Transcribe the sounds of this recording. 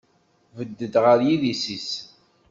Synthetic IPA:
vəd̪ːəd̪ʁəɾjiðisis

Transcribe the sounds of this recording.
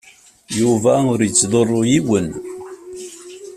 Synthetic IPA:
juvæʊɾjət͡sːðˤorˤːojiwən

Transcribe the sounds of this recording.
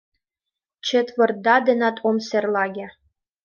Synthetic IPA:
t͡ɕʰĕt̪vɤ̆rd̪ɑd̪ɘ̆nɑt̪ʰomsĕrlˠɑɡʲe

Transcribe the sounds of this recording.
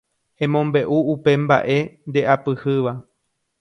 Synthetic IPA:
hẽ̞mõmbe̞ʔuupe̞mba̰ʔe̞nd̪e̞ʔapɨhɨʋa

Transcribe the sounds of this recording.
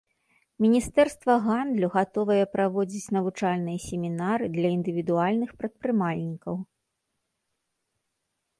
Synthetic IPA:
mʲinʲist̪ɛrst̪vɐɣand̪lʲuɣat̪ɔvɐjɛpɾavɔd͡zʲit͡sʲnɐvut͡ʂalʲnɨjɐsʲemʲinaɾɨd̪lʲɐind̪ɨvʲid̪ualʲnɨxpɾɐt̪̚pɾɨmalʲnʲikɐw

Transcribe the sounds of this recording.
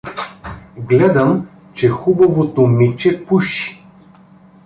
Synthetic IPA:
ɡlɛd̪ɐm | t͡ʃɛxubɐvot̪omit͡ʃɛpuʃi̥

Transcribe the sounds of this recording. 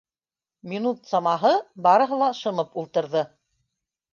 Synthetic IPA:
mʲinut̪sɑmɑɦɤbɑɾɤ̆ɦɤ̆lˠɑʃɤ̆mɤpulˠt̪ɤ̆ɾðɤ

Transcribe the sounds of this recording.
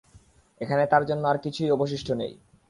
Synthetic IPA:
ekʰanet̪aɾd͡ʑonːoaɾkit͡ɕʰujɔboʃ̬iʃʈʰonḛj

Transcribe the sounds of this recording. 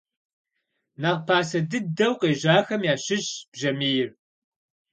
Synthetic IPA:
nɐʁpʰaːsɐdɨdɐwqeːʑaːxɐmjaːɕɪɕb̥ʒɐmiːjɪr

